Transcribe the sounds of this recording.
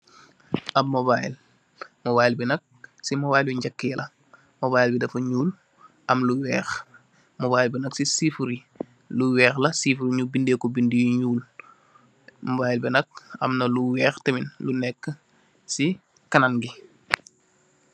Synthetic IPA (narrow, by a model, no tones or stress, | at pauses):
ʔɐmmɔbajil | mɔβaːjilbinɐk̚simɔbajljuɲɟɐkːijlɐ | mɔβaːjilbidɐfɐɲuːl | ɐmluwɛːx | mɔbaːjlbinɐksisifuɾi | luwɛːxlɐsifuɾiɲubindekɔbindijuɲuːl | mɔbaːjilbinɐk̚ɐ̰mnɐluwɛːxtɐminlunɛkːə | si | kɐnanɡi